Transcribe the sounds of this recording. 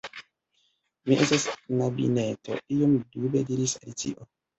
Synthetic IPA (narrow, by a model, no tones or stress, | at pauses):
miʔestasnabḭneto̞̰ijomdubediɾisa̰lit͡ʃḭʔo